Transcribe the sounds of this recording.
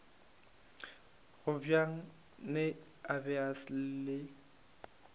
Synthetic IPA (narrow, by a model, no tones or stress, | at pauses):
ɣʊbjaŋ̩ | nɪ | abɛasl̩lɪ